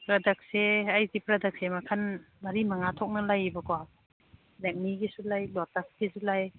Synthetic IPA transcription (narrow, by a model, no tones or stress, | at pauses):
pɾadak̚seajdipɾadak̚semakʰan | maɾimaŋatʰɔk̚nɐlajbakɔa | lak̚niɡisulajlɔtak̚ɡisulaj